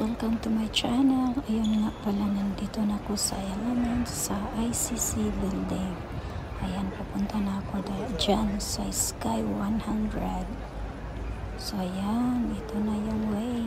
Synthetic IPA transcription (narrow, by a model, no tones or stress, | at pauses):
t̪olkant̪ʊmajt͡ʃanaŋajonŋaʔpalanand̪it̪onakosa̰jaŋamansaajsisibild̪ɛ | ajanpapunt̪anakod̪ad͡ʒansaɪskajwanhand̪ɾɛd̪̚ | sajaŋit̪onajaŋwa